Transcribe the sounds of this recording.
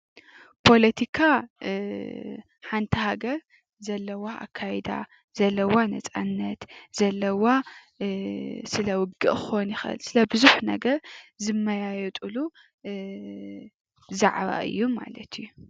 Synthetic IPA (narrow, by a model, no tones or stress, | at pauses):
pʰo̞lɐt̪ʰikʰa | ħant̪ʰihaɡɐɾ | zɐlːɐwaʔa̰kʰːajɛd̪a̰ | zɐlːɐwanɐt͡sʼanːɐt̪z̥ɐlːɐwa | sɨlɐwʊɡɨʔxonjɪxʔɨ̰lsɨlɐbɨzuħnɐ̰ɡɐɾzɨmːɐjajɛt̪ʼulu | za̰ʕβa̰ʔɨ̰jːuma̰lɐt̪ʰɨju